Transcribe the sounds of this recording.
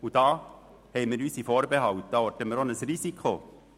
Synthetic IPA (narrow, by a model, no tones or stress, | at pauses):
ud̥ɑː | hɛɪmiɾyːsifoːɾbeɦɑwt̪̚d̥̪ɑɔtəməːɾonəsɾisikʰo